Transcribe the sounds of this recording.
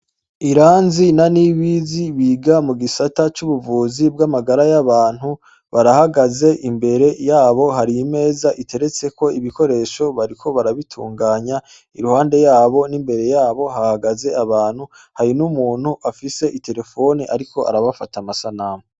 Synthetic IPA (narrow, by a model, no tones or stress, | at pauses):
iɾaːnzinaniβiziβiːɡamuɡisatat͡ʃuβuvuːzib̚ɡamaɡaɾajaβaːn̥hu | βaɾahaɡaze̞ʔimbe̞ɾe̞jaːβo̞haɾijime̞ːzaʔitʰe̞ɾe̞t͡se̞ko̞iβiko̞ɾe̞ːʃo̞βaɾikʰo̞βaɾaβitʰṵːŋɡaːɲa | iɾuhaːnde̞jaːβo̞nimbe̞ɾe̞jaːβo̞hahaɡaze̞aβaːn̥hu | haɾinumuːn̥huʔafise̞ʔite̞ɾe̞fo̞niʔaɾiko̞ʔa̰ɾaβafatamasanaːmu